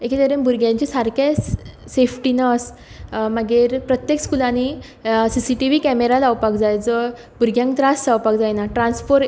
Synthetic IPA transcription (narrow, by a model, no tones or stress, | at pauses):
eket̪əɾembuɾɡjãɲt͡ɕisaɾkes | sefʈinəs | maɡeɾpɾət̪jekskulani | sisiʈiʋikɛmeɾalawpakd͡zajd͡zə | buɾɡjãŋkt̪ɾast͡sawpakd͡zajnaʈɾãnspoɾ